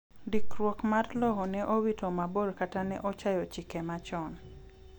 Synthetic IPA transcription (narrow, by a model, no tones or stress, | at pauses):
dikɾwɔkmarlɔɦɔnɛʔowitomaboɾkatanɛ̰ʔot͡ʃajɔt͡ʃikɛmat͡ʃɔn